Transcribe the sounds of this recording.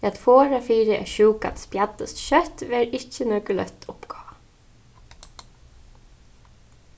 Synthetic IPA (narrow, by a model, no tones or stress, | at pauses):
ɛːat̪foːɹafiːɾəʔɛ̰ʃuːka̰nt̪spjat̪ːəst̪ʃœt̪ʋɛːɾɪcːənœːkʏlœ̰ht̪ʰʊpɡɔː